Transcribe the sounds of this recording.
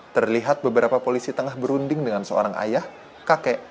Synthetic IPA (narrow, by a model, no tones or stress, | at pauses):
t̪ərliɦat̪̚bəbəɾapapolisit̪əŋahbəɾundɪŋdəŋansəo̰ɾaŋʔa̰jah | kakɛʔ